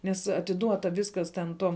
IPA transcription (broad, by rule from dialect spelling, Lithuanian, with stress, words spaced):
nʲɛs ɐtʲɪˈduɔtɐ ˈʋʲɪskɐs tʲɛn ˈtoːm